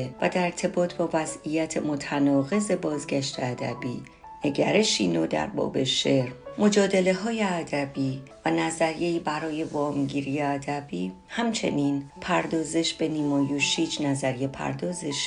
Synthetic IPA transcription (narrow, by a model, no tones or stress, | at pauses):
væ̰d̪æɾeɾt̪ʰe̞bɒːt̪ʰbɒːvæzijæt̪ʰemot̪ʰænɒːɣe̞ze̞bɒːzɟæʃt̪ʰeæd̪æbiː | ne̞ɟæɾe̞ʃiːnoːd̪æ̰ɾbɒ̰ːbe̞ʃe̞ɾmo̞d͡ʒɒːd̪e̞le̞ɦɒːje̞æd̪æbiːvænæzæɾije̞iːbæɾɒːje̞vɒːmɟiːɾijeæd̪æbiː | hæmt͡ʃʰe̞̰niːnpʰæɾd̪ɒːze̞ʃb̥e̞niːmɒːjuʃiːt͡ʃnæzæɾije̞pʰæ̰ɾd̪ɒːze̞ʃ